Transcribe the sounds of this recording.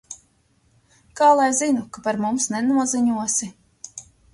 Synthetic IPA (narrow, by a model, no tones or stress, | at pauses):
kaːlˠajzinukapaɾmumsnɛnuɔziɲuɔsʲi